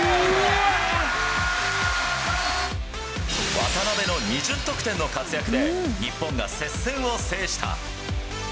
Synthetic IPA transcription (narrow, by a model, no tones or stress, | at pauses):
βa̰t̪anabe̞no̞ɲ̟iʑɨt̪ːo̞kɯ̟t̪ẽ̞nːo̞kat͡sɨjakɯ̟d̪e̞ɲ̟ipːõŋɡase̞sːẽɰ̃o̞se̞ːɕi̥t̪ʰa̰